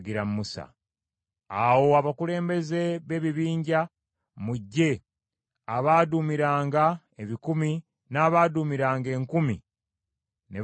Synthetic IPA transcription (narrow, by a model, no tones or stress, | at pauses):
ɡiɾammusa̰ | awo̞aβakule̞ːmbe̞ze̞βe̞βiβiːɲɟa | muɟːe̞ | aβaːdumiɾaːŋɡa | eβikumi | naːβaːdumiɾaːŋɡe̞ːŋkumi | ne